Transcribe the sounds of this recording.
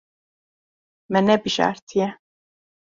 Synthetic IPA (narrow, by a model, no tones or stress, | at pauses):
mɛnɛbiʃa̰ɾt̪ʰijɛ